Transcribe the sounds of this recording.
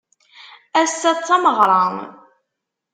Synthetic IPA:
æsːæt͡sːɑməʁɾˤɑn

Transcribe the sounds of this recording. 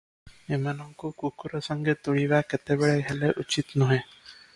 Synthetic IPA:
emanaŋkukukuɾɔsəŋɡʱet̪uɭiʋaket̪ebɛɭeɡʱɛleʔut͡ɕit̪nɔɦe

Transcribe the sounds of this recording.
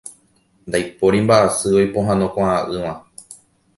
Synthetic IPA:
nd̪ajpoɾimbaʔasɨojpoɦãnõkʷãaʔɨʋã

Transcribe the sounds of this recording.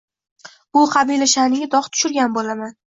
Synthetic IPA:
ʊqʰɑbilaʃanɪɡʲɪd̪ɒχt̪ʰʊ̥ʃʊɾɡʲanbolaman

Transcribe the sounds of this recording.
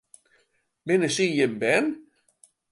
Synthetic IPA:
mɪnəsijəmbɛn

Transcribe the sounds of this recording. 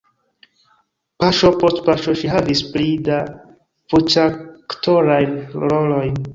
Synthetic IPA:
paʃo̞postpaʃoʃiɦavisplida | fut͡ʃaktʰoɾajnɾolojn

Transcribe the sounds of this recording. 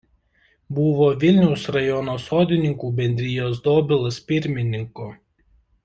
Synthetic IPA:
buʋoːʋʲɪlʲnʲɛʊsɾɐjɔnoːsoːd̪ʲɪnʲɪŋkuːbʲɛnʲd̪ʲɾʲɪjoːs̬d̪oːbʲɪlˠɐspʲɪɾʲmʲɪnʲɪŋko

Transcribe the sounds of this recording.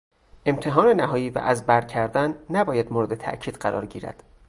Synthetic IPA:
ʔe̞mt̪ʰe̞ɦɒːne̞næɦɒːjiːvæ̰ʔæzbæɾcʰæɾd̪ænːæbɒːjæd̪moɾed̪et̪ʰæ̰ʔcʰiːd̪̥ɢæɾʔɒ̰ːɾɟḭːɾæ̰d̪̥

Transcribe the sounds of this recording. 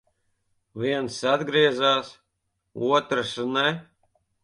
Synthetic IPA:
vʲiɛnsad̪ɡɾiɛzaːs | uɔt̪ɾɨsnɛ

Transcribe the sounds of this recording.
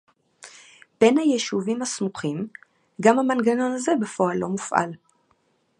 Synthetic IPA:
b̥enhajeʃuvimhasmuχim | ɡamhamanɡano̞naze̞befo̞alːo̞mufʔa̰l

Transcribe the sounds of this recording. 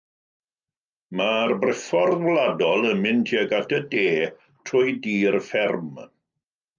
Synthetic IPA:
marbrɪfɔrðwlˠadɔlˠəmɪntʰjəɡatʰədeː | tʰrʊjdiːrfɛrm

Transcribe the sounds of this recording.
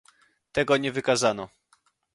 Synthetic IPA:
t̪ɛɡɔɲɛvɘkazanɔ

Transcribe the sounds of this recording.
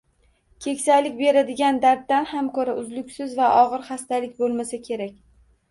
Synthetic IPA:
kʲʰe̞kʲsajlɪkʲbe̞ɾad̪ɪɡʲand̪aɾt̪̚d̪anhamkɵɾaʊzlʊkʲsɪzvaʔɒʁɨɾχast̪alɪkʲbolˠmasakʲʰe̞ɾakʲ

